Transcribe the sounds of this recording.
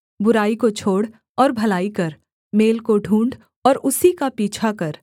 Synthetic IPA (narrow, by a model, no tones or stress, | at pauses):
bʊɾaːikot͡ʃʰoːɽ | ɔːɾbʱɐlaːikɐɾ | meːlkoɖʱũːɳɖ | ɔːɾʊsikapiːt͡ʃʰakɐɾ